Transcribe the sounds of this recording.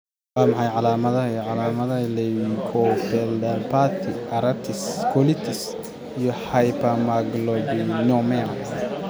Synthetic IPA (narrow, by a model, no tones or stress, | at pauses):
waːmɑħɑjʕɑlaːmɐðɐɐiʕɑlaːmɐðɐlɛkʰɔfɛld̪ɐpʰat̪ʰiɐɾɐt̪ʰɪskʰɔlit̪ʰɪs | ijɔħajpɐmaɡlɔbinɔmɛan